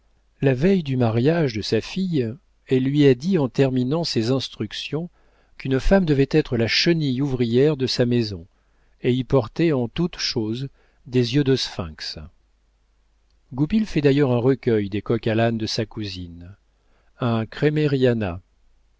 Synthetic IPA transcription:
lavɛjd̪ymaʁjaʒd̪əsafij | ɛlːɥiad̪iɑ̃t̪ɛʁminɑ̃sezɛ̃st̪χyksjɔ̃ | kynfamd̪əvɛt̪ɛt̪χəlaʃənijuvʁijɛʁd̪əsamezɔ̃ | eipɔʁt̪ɛɑ̃t̪ut̪ʃoz | d̪ezjød̪osfɛ̰̃ks | ɡupilfɛd̪ajœʁɛ̃ʁəkʲœjd̪ekɔkaland̪əsakuzin | ɛ̃kχemeʁijana̰

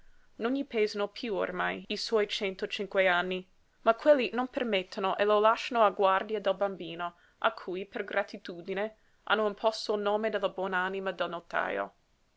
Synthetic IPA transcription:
noɲːipɛzanopʰjuo̰rmajiswɔjt͡ʃɛnt̪ot͡ʃiŋkweanːi | makʰːwelːinompermet̪ʰːonoʔelolaʃːanoaɡward̪iad̪elbambiːno | ʔa̰kʰːujperɡɾat̪ʰit̪uːd̪ine | ʔa̰nːoimpʰɔst̪oilnoːmed̪elːabwɔːnaanimad̪elnot̪a̰ːjo̰

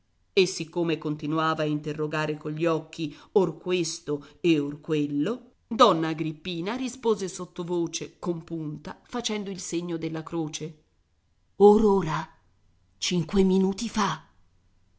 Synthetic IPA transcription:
esːikːomekont̪inuaːvaːint̪erːoɡaːɾekoʎːiɔkːiorkwest̪oeorkwelːo | d̪ɔnːaɡɾipːiːnaɾispoːzesot̪ːovoːt͡ʃekompunt̪afat͡ʃɛnd̪oilseɲːod̪elːakɾoːt͡ʃe | oɾoːɾa | t͡ʃiŋkweminuːt̪ifa

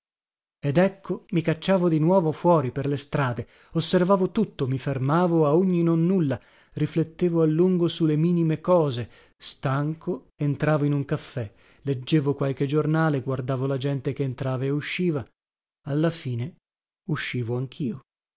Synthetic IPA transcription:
ed̪ɛkʰːomikat͡ʃːaːvod̪inwɔːvofwɔːɾiperlest̪ɾaːd̪e | osːervaːvot̪ut̪ːomifermaːvoaoɲːinonːulːa | riflet̪ːeːvoalːuŋɡosulemiːnimekɔːze | st̪aŋkʰo | ent̪ɾaːvoinuŋkafːɛ | led͡ʒːeːvokwalk̟ed͡ʒornaːleɡward̪aːvolad͡ʒɛnt̪ekeːnt̪ɾaːvaeuʃːiːva | alːafiːne | uʃːiːvoaŋk̟ʰiːo

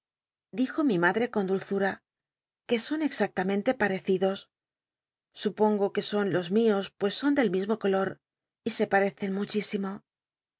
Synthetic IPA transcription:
d̪ixo̞mimaðɾe̞ko̞nd̪ulθuɾa | ke̞so̞ne̞ksak̚t̪amẽnt̪e̞paɾe̞θiðo̞s | upo̞ŋɡo̞ke̞so̞nlo̞zmio̞spwe̞sːo̞nd̪e̞lmizmo̞ko̞lo̞ɾ | ise̞paɾe̞θe̞nmut͡ʃisimo̞

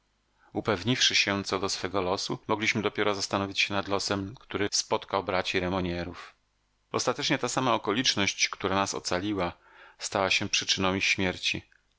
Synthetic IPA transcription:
upɛvɲifʂɘɕɛt̪sɔd̪ɔsfɛɡɔlɔsumɔɡlʲiɕmɘd̪ɔpʲjɛɾɔzast̪anɔvʲit͡ɕɕɛnad̪lɔsɛmkt̪uɾɘspɔt̪kawbɾat͡ɕiɾɛmɔɲɛɾuf | ɔ̰st̪at̪ɛt͡ʂɲɛt̪asamaɔkɔlʲit͡ʂnɔɕt͡ɕkt̪uɾanasɔ̰t̪salʲiwa | st̪awaɕɛpʂɘt͡ʂɘnɔ̃w̃ixɕmʲjɛɾt͡ɕḭ

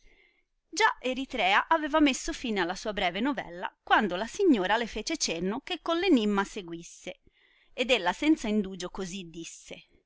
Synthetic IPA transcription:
d͡ʒaʔeɾit̪ɾɛːaʔaveːvamesːofiːnealːasuːabɾɛːvenovɛ̰lːa̰kwand̪olasiɲːoːɾalefeːt͡ʃet͡ʃenːok̟ekːonlenimːaseɡwisːe | ed̪elːasɛnt̪saind̪uːd͡ʒokozid̪ːisːe

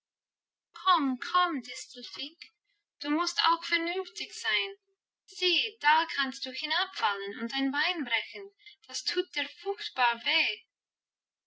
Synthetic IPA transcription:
kʰɔmkʰɔmdɪstl̩fɪk | d̥uːmʊsta̰ʊxfɛɐnʏnftɪçz̥aɪn | z̥iːd̥aːkʰanst̚d̥uːhɪnapfalənʊntd̥aɪnbaɪnbʁɛçən̩d̥astʰuːt̚d̥iːɐfʊxtb̥aːveː

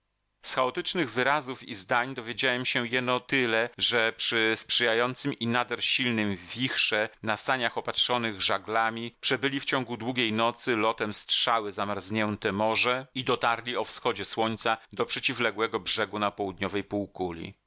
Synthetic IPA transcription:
sxaɔt̪ɘt͡ʂnɘɣvɘɾazufizd̪aɲd̪ɔvʲjed͡ʑawɛmɕɛjɛnɔt̪ɘlɛʐɛpʂɘspʂɘjajɔnt̪sɘminad̪ɛɾɕilnɘmvvʲixʂɛnast̪aɲaxɔpatʂɔnɘɣʐaɡlamʲipʂɛbɘlʲift͡ɕɔŋɡud̪wuɡʲejnɔt̪sɘlɔt̪ɛmstʂawɘzamaɾzɲɛnt̪ɛmɔʐɛid̪ɔt̪aɾlʲiɔfsxɔd͡ʑɛswɔɲt̪sad̪ɔpʂɛt͡ɕivlɛɡwɛɡɔbʐɛɡunapɔwud̪ɲɔvɛjpuwkulʲḭ

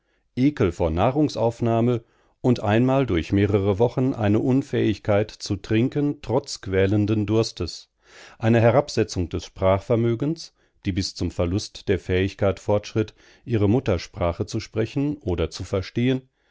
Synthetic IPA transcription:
ʔeːkəl̩foːɐnaːʁʊŋsa̰ʊfnaːmə | ʔʊntʔa̰ɪnmaːldʊɐçmeːʁəʁəvɔχn̩ʔa̰ɪnəʔʊnfɛːɪçkʰaɪtt͡sutʁ̥ɪŋkəntʁ̥ɔt͡skv̥ɛːləndəndʊɐstəs | ʔaɪnəɦɛʁapz̥ɛt͡sʊŋd̥ɛsʃpʁ̥aːχfɛɐmøːɡəns | d̥iːbɪst͡sʊmfɛɐlʊstd̥eːɐfɛːɪçkaɪtfɔɐtʃʁ̥ɪt | ʔiːʁəmʊtɐʃpʁ̥aːχət͡suʃpʁ̥ɛçn̩ʔoːdɐt͡sufɛɐʃteːən

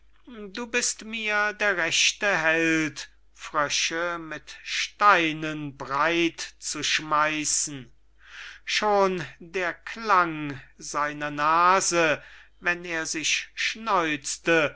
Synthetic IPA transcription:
duːbɪstmiːɐdeːɐʁɛʃtəɦɛlt | fʁ̥œʃəmɪtʃtaɪnənbʁaɪtt͡suʃmaɪsn̩ | ʃoːndeːɐkʰlaŋzaɪnɐnaːzəvɛneːɐzɪɕʃnɔʏt͡stə

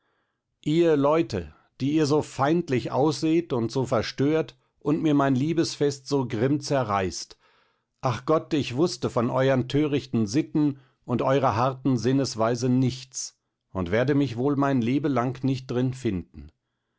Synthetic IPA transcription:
ʔiːɐlɔʏtʰə̰ | d̥iːiːɐzoːfaɪntlɪçʔa̰ʊsz̥eːtʊntz̥oːfɛɐʃtøːɐt | ʔʊntmiːɐmaɪnliːbəsfɛstz̥oːɡʁɪmt͡sɛɐʁaɪst | ʔaχɡ̥ɔtɪçv̥ʊstəfɔnʔɔʏɐntʰøːʁɪçtn̩zɪtn̩ | ʊntʔɔʏʁɐɦaɐtn̩zɪnəsv̥aɪzənɪçt͡s | ʊntv̥eːɐdəmɪçvoːlmaɪnleːbəlaŋknɪçt̚d̥ʁɪnfɪndn̩

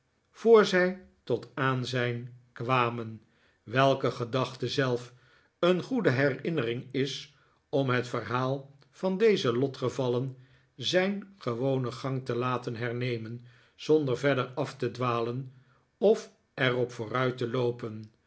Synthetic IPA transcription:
v̥oːɹzɛj | tɔtaːnzɛjnkʋaːmən | ʋɛlˠkəχədɑχtəzɛlˠf | ənχudəɦɛrɪnərɪŋɪs | ɔmɦətfərɦaːlˠ | vɑndejzəlɔtχəvɑlən | zɛjnχəʋownəχɑŋtəlaːtənɦɛɹnejmən | z̥ɔndəɹvɛdəɹɑftədʋaːlən | ɔf | ɛrɔpfʊːrœɥtəlowpən

